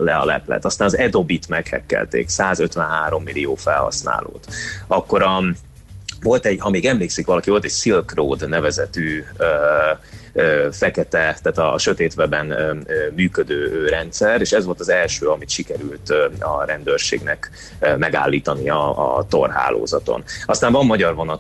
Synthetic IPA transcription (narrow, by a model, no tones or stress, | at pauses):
lɛɒ̰lɛ̰plɛ̰t̪ɒst̪aːnɒzɛd̪o̞bit̪mɛkhɛ̰kːɛ̰lt̪ḛːksaːzøt̪ʋɛnɦaːɾo̞mːilioːfɛlhɒ̰sna̰ːlo̰ːt̪ɒkːo̞ɾɒ | vo̞lt̪ɛɟhɒmeːɡɛmleːksikʋɒlɒkivo̞lt̪ɛɟsilkroːd̪nɛvɛzɛt̪yːø | øːfɛkɛt̪ɛt̪aːt̪ɒʃøt̪eːt̪ʋɛbɛnømyːkød̪øːøːɾɛnt̪sɛreːʃɛzʋo̞lt̪ɒzɛlʃøːɒmit̪ʃikɛɾylt̪ːɒɾɛnd̪øːrʃḛːɡnɛk | ømɛɡa̰ːlːiːt̪ɒniɒ̰t̪o̞̰rɦa̰ːlo̰ːzɒt̪o̞̰nɒst̪aːɱvɒmːɒɟɒrvo̞nɒt̪